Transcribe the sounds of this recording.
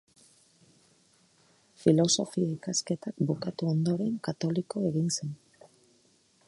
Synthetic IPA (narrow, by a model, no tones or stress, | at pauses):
filo̞so̞fiikaske̞t̪akbukat̪uo̞nd̪o̞ɾe̞ŋkat̪o̞liko̞e̞ɣinse̞n